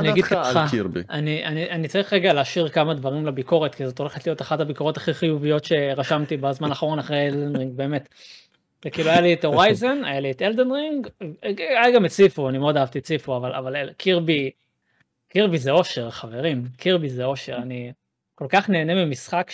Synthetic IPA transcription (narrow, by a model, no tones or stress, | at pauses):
aniaɡidaabianiʔaniʔanit͡saʁiχʁeɡaleaʃiʁkamad̪vaʁimlabiko̞ʁet̪kizo̞t̪o̞leχetlijo̞t̪aχadabiko̞ʁo̞t̪ḁχiχijuvijo̞tʃe̞ʁaʃamt̪ibazmanaːχaʁo̞naχʁejeldenʁiŋɡ̚be̞ːmet̪ | zekiːluajaliet̪oʁajzona̰jalieteld̪enʁiŋɡ | ajɡamet͡sifuanimeo̞daavt̪iet͡sifuavalʔa̰valelkʰiʁbi | kiʁbizeo̞ʃe̞ʁχave̞ʁimkʰiʁbizeo̞ʃe̞̰ʁani | ko̞lkaχne̞ːnemimisχak